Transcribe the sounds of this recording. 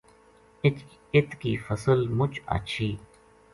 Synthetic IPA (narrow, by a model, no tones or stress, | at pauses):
ɪt̪ | ɪt̪kiːfəsəlmʊt͡ʃa̰ːt͡ʃʰiː